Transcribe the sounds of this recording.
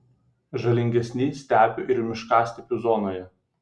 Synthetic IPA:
ʒɐlʲɪŋʲɡʲɛsʲnʲisʲt̪ʲæːpʲʊʔɪɾmʲɪʃkɑːsʲt̪ʲɛpʲuːzɔːnoːjɛ

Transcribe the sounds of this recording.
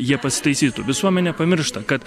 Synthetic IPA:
jiɛpɐsʲɪ̥t̪ɐɪsʲiːt̪ʊʋʲɪsuɔmʲɛnʲɛpɐmʲɪɾʃt̪ɐkɐt̪

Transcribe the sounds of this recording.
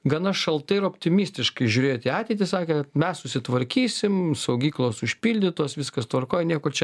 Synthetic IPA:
ɡɐnɐʃɐlˠt̪ɐɪɪɾɐoːpʲt̪ʲɪmʲiːsʲt̪ʲɪʃkɐɪʒʲʊːɾʲeːjt̪ʲiɑːt̪ʲɛɪt̪ʲɪsɑːkʲeːt̪mʲɛssʊsʲɪt̪ʋɐɾʲkʲiːsʲɪmsɐʊɡʲiːklˠoːsʊʃʲpʲiːlʲd̪ʲɪt̪oɔsʋʲɪskɐst̪ʋɐrkoːjɛnʲiɛkoːt͡ʃʲɛ

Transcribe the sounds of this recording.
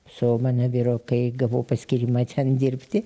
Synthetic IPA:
sʊmɑːnɐʋʲiːɾoːkɐɪɡɐʋoːpɐsʲkʲiɾʲimɐt̪ʲʰɛnd̪ʲɪɾʲpʲt̪ʲɪ

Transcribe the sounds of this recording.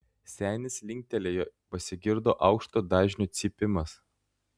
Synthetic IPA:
sʲæːnʲɪslʲɪŋʲk̚ʲt̪ʲɛlʲeːjopɐsʲɪɡʲɪɾd̪oːʔɑʊkʃt̪od̪ɑːʒʲnʲut̪sʲɪpʲɪmɐs

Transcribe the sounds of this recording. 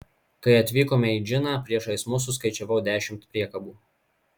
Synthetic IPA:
kɐɪɐt̪ʲʋʲiːkoːmʲɛid͡ʒʲɪnɑːpʲɾʲiɛʃɐɪsmʊs̬ʊs̬kɐɪt͡ʃʲɛʋɐʊd̪ʲæːʃʲɪmt̪pʲɾʲiɛkɐbuː

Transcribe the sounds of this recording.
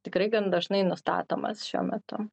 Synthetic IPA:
t̪ʲɪkɾɐɪɡɐnd̪ɐʒnɐɪnʊst̪ɑ̰ːt̪oːmɐ̰sʃʲṵɔmʲɛt̪ʊ

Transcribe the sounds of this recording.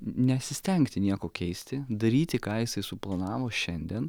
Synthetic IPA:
nʲɛɐt̪ʲsʲɪsʲt̪ʲɛŋkt̪ʲɪnʲiɛkoːkʲɛɪsʲt̪ʲɪd̪ɐɾʲiːt̪ʲɪkɑːjɪsɐɪsʊplˠɐnɑːʋoːʃʲɛnʲd̪ʲiɛn

